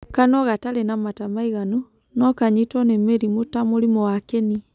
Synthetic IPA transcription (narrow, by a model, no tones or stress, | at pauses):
kanɔɣatalenamatamaiɣanu | nɔkaɲitɔnemeɾimotamoɾimɔwakeni